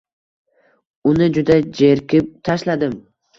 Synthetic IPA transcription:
ʊnɪd͡ʒʊd̪ad͡ʒe̞ɾkʲɪp̚t̪ʰaʃlad̪ɪm

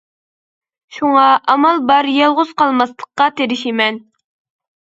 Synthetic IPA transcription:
ʃuŋɑʔɑmɑlˠbɑɾjɑlˠʁʊz̥qɑlˠmɑst̪ˠəqqːɑt̪eɾɪʃimɛn

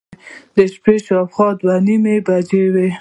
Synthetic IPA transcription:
d̪əʃpeʃɑfxɑd̪wanimebad͡ʒewe

